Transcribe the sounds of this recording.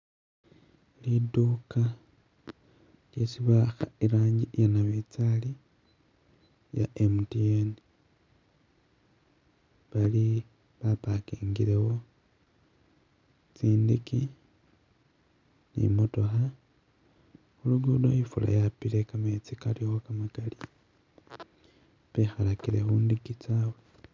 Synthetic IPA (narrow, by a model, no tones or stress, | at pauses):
liduka | ljesiβaxaiɾaːɲɟiʔjanaβit͡sali | ja̰ʔemutieni | βali | βapakiːŋɡiɾewo | t͡siːndiki | nḭmoto̞xa | uluɡudojifula̰japile̞kamet͡sikalixo̞kamakali | pexalakiɾexuːndikit͡saːwe